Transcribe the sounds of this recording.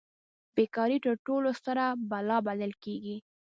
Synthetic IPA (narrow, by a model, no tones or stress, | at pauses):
b̥ekɑɾiʈəʈolost̪əɾabalɑbaləlkeɡi